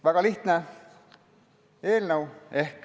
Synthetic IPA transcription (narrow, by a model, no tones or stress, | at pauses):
ʋæɡ̥ɑliht̪ne | eːlnəwehk